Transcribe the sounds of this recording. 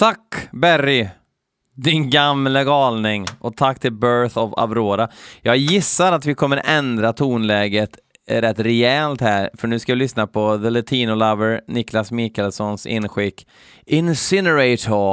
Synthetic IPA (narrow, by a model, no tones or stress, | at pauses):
t̪ʰakːbæɾɪ | d̪ɪnɡamlaɡɑːlnɪŋʔɔt̪ʰakːt̪ʰɪlbœɾθɔva̰vɾoːɾajɑːɡjɪsːaɾat̪vɪkʰɔmːəɾʔɛnd̪ɾat̪ʰuːnlɛːɡət̪ | ɾɛt̪ːɾɛɛlt̪hæːɾfœɳʉ̟ːskavɪlʏsnapʰɔðəlɛt̪ʰiːnʊlavəɾnɪklasmɪkəlsɔnsɪ̰nːɧɪkː | ɪnsɪnəɾɛɪt̪ʰɔ